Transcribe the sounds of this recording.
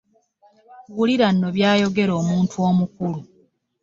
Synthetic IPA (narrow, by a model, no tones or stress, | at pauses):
wuliɾanːo̞βjaːjo̞ɡe̞ɾo̞ːmuːntʰuo̞ːmukulu